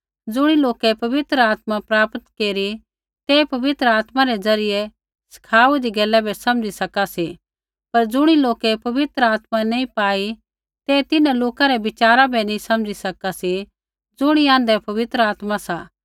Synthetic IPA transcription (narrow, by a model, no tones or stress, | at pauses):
d͡zʊɽ̃iloːkɛpɐʋɪt̪ɾəaːt̪mapɾaːpət̪keːɾi | t̪eːpɐʋɪt̪ɾəaːt̪maɾɛd͡zɐɾɪjɛ | sɐ̥kʰaːudiɡɛːlɛbʱɛsɐ̃md͡ʒisɐkasi | pɐɾd͡zʊɽ̃iloːkɛpɐʋɪt̪ɾəaːt̪manɐĩpaːi | t̪et̪ɪnãloːkaɾɛbɪt͡ʃaːɾabʱɛnĩsɐ̃md͡ʒisɐkasi | d͡zʊɽ̃iãːnd̪ɛpɐʋɪt̪ɾəaːt̪masaː